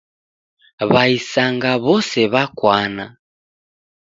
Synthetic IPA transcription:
βaisaŋɡaβɔsɛβakwana

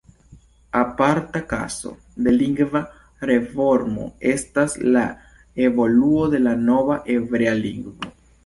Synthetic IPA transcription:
apaɾtaka̰so̰ | de̞liŋɡva | ɾe̞fo̞ɾmo̞̰e̞stasla | e̞vo̞luo̞de̞lano̞vaʔe̞vɾe̞aliŋɡvo̞

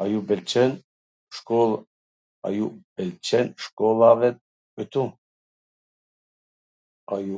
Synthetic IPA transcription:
ajubɛlt͡ʃʰɛn | ʃkʼɔl | a̰jub̥ɛlt͡ʃʰɛnʃkʼɔlavɛt̪̚ | ɔt̪ʰu | aju

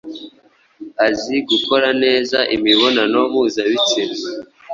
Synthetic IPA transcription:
aziɡuko̞ɾane̞ːzaʔḭmiβo̞nanomuːzaβit͡se

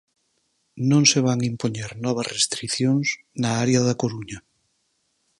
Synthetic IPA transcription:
nõŋseβ̞aŋimpoɲeɾnɔβ̞azrest̪ɾiθjoŋs | naaɾjaðakoɾuɲa

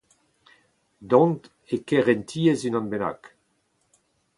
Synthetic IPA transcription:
d̪ɔ̃nt | ekɛʁɛnt̪ʰiːezynɑ̃nbena̰k

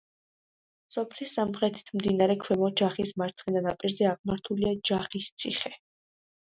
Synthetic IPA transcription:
sɔpʰlisːamχɾɛt̪ʰi̥t̪ʰmd̪inaɾɛkʰwɛmɔd͡ʒaχismaɾt̪sʰχɛd̪anapʼiɾzɛaʁmaɾt̪ʰuliad͡ʒaχist̪sʰiχɛ

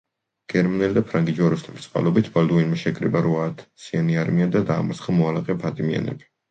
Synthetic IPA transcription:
ɡ̥ɛɾmanɛld̪apʰɾaŋɡid͡ʒɔɾuslɛmt̪sʼqʼa̰lˠɔbit̪ʰbald̪uinmaʃɛkʼɾḭbaɾuaːt̪ʰsianiaɾmiad̪ad̪a̰ːmɔsχamɔalaqʼɛpʰat̪ʼimia̰nɛ̰bi̥

